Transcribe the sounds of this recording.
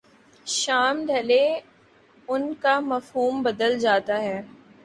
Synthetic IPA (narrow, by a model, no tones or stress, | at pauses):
ʃaːmɖʱɐle | ʊnkamɐfɦuːmbɐd̪əld͡ʒaːt̪aɦɛː